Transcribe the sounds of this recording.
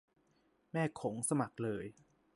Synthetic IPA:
mɛː˥˩kʰo˩˦ŋsa˧ma˨˩k̚lɤː˧j

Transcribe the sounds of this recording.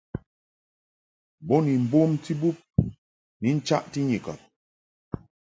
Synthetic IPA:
bɔ˦ni˨m̩˨bo˦mti˦bu˦p̚ | ni˨˦n̩˦t͡ʃa˦ʔti˦ɲi˨ka̰˨p̚

